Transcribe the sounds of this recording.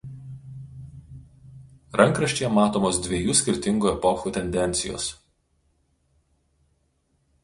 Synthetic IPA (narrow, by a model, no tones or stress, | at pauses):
ɾʔɐŋˑkɾɐʃʲt͡ʃ̪ʲejɛmɑːt̪oːmoːsd̪ʲʋʲeɛjuːsʲkʲɪɾʲt̪ʲɪŋɡuːɛpɔxuːt̪ʲɛnʲd̪ʲɛnʲt̪sʲɪjo̰ːs